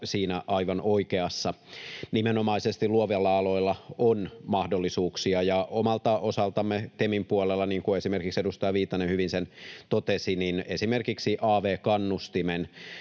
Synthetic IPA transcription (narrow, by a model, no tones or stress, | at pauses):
siːnæʔɑiʋɑnʔoikeɑsːɑnimenomɑisest̪illuoʋielːɑɑloilːɑonmɑhdolːisuːksiɑjɑʔomɑlt̪ɑʔosɑlt̪ɑmːet̪emimpuolelːɑniːŋkuesimerkiksedust̪ɑjɑʋiːt̪ːɑnenhyʋinsent̪ot̪esininesimerkiksiʔɑːʋeːkɑnːust̪imen